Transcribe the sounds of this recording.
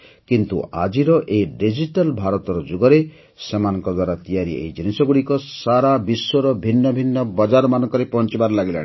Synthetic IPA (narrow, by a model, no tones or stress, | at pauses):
kint̪ṵʔa̰d͡ʒiɾɔʔeɖid͡ʒiʈalbʱaɾɔt̪ɔɾɔd͡ʒuɡɔɾe | semanɔŋkɔd̪waɾat̪ijaɾiḛjd͡ʒinisɔɡuɽikɔsaɾabisːɔɾɔbʱinːɔbʱinːɔbɔd͡ʒaɾɔmanɔŋkɔɾepɔnt͡ʃibaɾɔlaɡila̰ɽ̃i